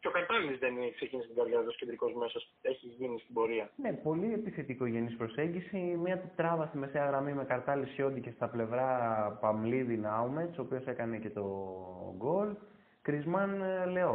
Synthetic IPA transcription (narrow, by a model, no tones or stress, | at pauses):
cokɐɾt̪ɐlinizðenksecinist̪iɡɐɾðʝɐðoscend̪ɾiko̞zme̞sos | eçiʝinist̪ibo̞ɾiɐne̞po̞liepiθet̪ikoʝe̞nispɾo̞se̞ɲɟisimiɐtt̪ɾɐvɐst̪ime̞seɐɣɾɐmime̞kɐɾt̪ɐlisço̞nd̪ice̞st̪ɐple̞vɾɐpɐmliðinɐumet̪sopiose̞kɐne̞ce̞t̪o̞ɡo̞l | kɾizmɐnle̞o̞